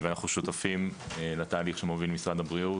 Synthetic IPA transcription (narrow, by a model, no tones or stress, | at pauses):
vɛanaχnuʃut̪afim | elat̪aːliχʃemovilmisʁad̪abʁiu